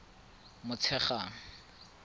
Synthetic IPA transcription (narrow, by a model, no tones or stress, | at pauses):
mʊt͡sʰɛχaːŋ̩